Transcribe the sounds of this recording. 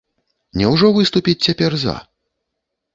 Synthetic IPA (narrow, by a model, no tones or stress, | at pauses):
nʲɛwʐɔvɨst̪upʲit͡sʲt͡sʲapʲɛrzɐ̰